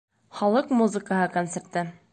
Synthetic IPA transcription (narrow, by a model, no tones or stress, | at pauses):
χɒlˠɤqmuzɨkəɦɤkont̪sert̪ɤ